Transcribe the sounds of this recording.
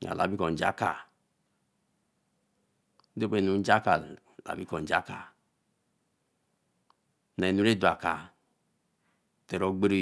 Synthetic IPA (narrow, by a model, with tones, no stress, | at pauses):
a̰˨la̰˨bi˦kɔ˨n̩˨d͡ʒa̰˦ka˨˦ | do˦be˨nu˨˦d͡ʒa˦ka˨ | la̰˨bi˦kɔ˨n˨d͡ʒa˦ka˨ | na˨i˨nu˦ɾe˦du˨a˨ka˨ | te˨ɾo˦ɡ͡be˦ɾe˦